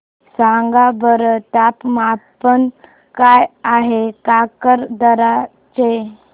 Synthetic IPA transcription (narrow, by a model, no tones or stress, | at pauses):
sãŋɡabəɾət̪apmapən | kajaɦekakəɾd̪əɾa | t͡ɕe